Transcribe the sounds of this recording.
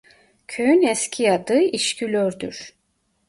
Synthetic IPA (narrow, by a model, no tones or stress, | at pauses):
cʰøjynɛscʲʰijad̪ɯiʃcʰylʲøɾd̪y̰ɾ̥